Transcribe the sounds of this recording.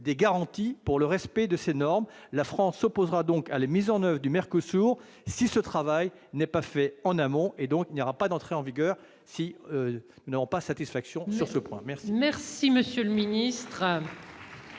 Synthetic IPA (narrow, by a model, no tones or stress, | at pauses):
d̪eɡaʁɑ̃t̪ipuʁləʁɛspɛd̪əsenɔʁm | lafχɑ̃sːɔpozʁad̪ɔ̃kalamizɑ̃nœvʁəd̪ymɛʁkosuʁ | sisət̪χavaj | nɛpafɛɑ̃namɔ̃ʔed̪ɔ̃kilnjɔʁapad̪ɑ̃t̪χeɑ̃viɡʲœːʁ | si | nunavɔ̃pasat̪isfaksjɔ̃syʁsəpwɛ̰̃mɛʁsimɛʁsiməsjøləminist̪χ